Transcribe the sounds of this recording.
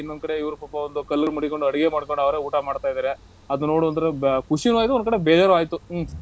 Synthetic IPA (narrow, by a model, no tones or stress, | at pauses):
inːod̪ukɐɽe̞iʋɐɾupɐpːɐond̪ukɐlːɐɭmɐɽiko̞ɳɖuɐɽiɡemaːɽkoɳɖɐʋɐɾe̞ːuːʈamaːɖt̪aːjd̪aːɾe | ɐd̪uno̞ːɽuɐnd̪ɐɾekuʂinuaːjit̪uond̪ukɐɽe̞beːd͡ʒaːɾuaːjt̪u